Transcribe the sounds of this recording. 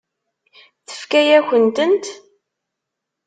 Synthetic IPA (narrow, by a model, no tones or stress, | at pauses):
θə̥fkæjæçənt̪ənt̪